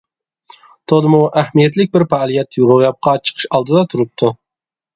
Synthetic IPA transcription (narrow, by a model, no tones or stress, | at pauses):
t̪ʰod̪ɨmuʔæhmijɛt̪̬lɪk̚ʲbɪɾpɑlˠijɛt̪ːjuʁʊʁjɑp̚qʰɑt͡ʃʰə̥qʰə̥ʃɑlˠd̪ɨd̪ɑt̪ʰuɾɨp̚t̪ʰːu